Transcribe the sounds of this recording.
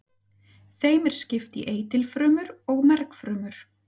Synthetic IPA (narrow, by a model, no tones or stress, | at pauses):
θeːjmɛɾ̥scɪft̪ḭʔeːjt̪ɪlfɾœːmʏɾɔɣmɛɾkfɾœːmʏɾ̥